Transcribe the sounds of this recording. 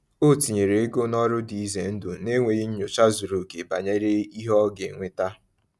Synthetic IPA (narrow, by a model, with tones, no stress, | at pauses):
o˦ti˨ɲe˨ɾe˨e˦ɡo˦nɔ˦ɾʊ˦di˨i˦ze˨n̩˦dʊ˨ne˦ŋʷe˨ɣi˦ɲ̩˦ɲʊ˨t͡ʃa˦zʊ˨ɾo˨ɡe˨ba̰˨ɲe˦ɾe˦i˦ɦɔ˦ɡe˨ŋʷɪ˦ta˦